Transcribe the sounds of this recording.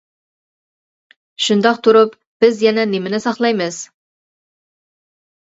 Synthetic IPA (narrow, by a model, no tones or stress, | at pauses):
ʃʊnd̪ɑq̚t̪ʰʊɾəp | b̥ɪzjænænemɪnɪsɑχlˠɑjməz̥